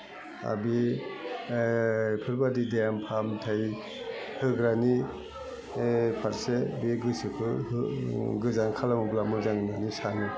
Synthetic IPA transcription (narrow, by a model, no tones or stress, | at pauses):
a̰bi | pʰɯɾbadidejampʰamtʰaj | hɯɡɾani | pʰaɾsebiɡɯsɯpʰɯ | ɡɯzaŋkʰalamublamɯzaŋnanisanɯ